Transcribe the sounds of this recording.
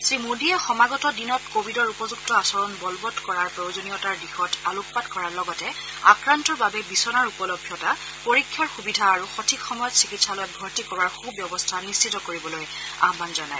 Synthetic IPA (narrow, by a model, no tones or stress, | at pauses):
sɹimudiɛxɔmaɡɔtɔdinɔtkobʱidɔɹupɔzuktɔasɔɹɔnbɔlbɔtkɔɹaɹpɹojʊzonijɔtaɹdixɔtaluk̚patkɔɹaɹlɔɡɔtɛ | akɹantɔɹbabɛbisɔnaɹupɔlɔbʱjɔta | poɹikʰːjaɹxubidʱaːɹuxɔtʰikxɔmɔjɔtsikitsalɔjɔt̚bʱɔɹtikɔɹaɹxubjɔbɔstʰanist͡ʃitɔkoɹibɔloj | a̰ɦbanzɔnaj